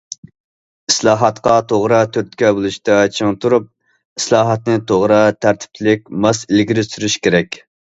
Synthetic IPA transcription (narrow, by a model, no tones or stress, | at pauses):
i̥slˠɑːɦɑt̪qɑt̪ʰoʁɾɑt̪ʰøɾt̪̚kʲɛbulˠuʃt̪ɑt͡ʃʰɨŋt̪ʰuɾup̚ | islˠɑːɦɑt̪̚nɨt̪ʰoʁɾɑt̪ʰæɾt̪ʰɪ̥p̚t͡ʃʰlɪkʲmɑsɪlɡʲiɾɪsyɾyʃkʲeɾɛkʲ